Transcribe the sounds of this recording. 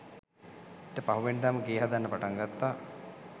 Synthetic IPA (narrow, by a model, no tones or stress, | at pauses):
eʈəpaɦuʋend̪aːməɡeːɦad̪anːəpaʈaŋɡat̪ːaː